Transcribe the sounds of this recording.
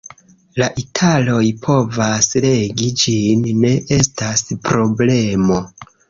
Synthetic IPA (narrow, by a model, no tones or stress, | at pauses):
laʔitʰalo̞jpʰo̞vasle̞ɡid͡ʒinːe̞ʔe̞staspɾo̞ble̞mo̞